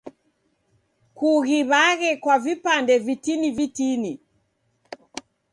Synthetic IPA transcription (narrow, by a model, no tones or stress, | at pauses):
kuɣiβaɣɛkwavipandɛvitinivitini